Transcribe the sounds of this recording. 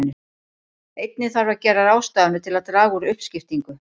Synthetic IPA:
nːʏ | ejt̪̚nɪθaɾvacɛːɾaɾaːwst̪aːðanʏt̪ʰɪlaðt̪ɾaːɣuɾʏhpscɪft̪iŋkʏ

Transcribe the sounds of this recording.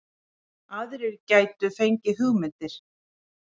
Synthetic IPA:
aðɾɪɾcaːjt̪ʏfejɲcɪɦʏɣmɪt̪ɪɾ̥

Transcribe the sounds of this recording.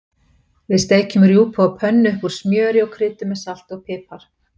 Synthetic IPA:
vɪðst̪eːjcʏmʏɾiuːpʰɔapʰœnːʏkvuɾ̥smjœːɾɪɔɣkʰɾɪːt̪ʏmɛsal̥t̪ɔɣpʰɪːpaɾ̥

